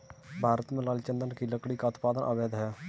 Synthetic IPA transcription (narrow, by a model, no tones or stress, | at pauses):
bʱaːɾət̪mẽlaːlt͡ʃənd̪ənkiːləkɽiːkaʊt̪paːd̪ənʔə̰beːd̪ɦɛː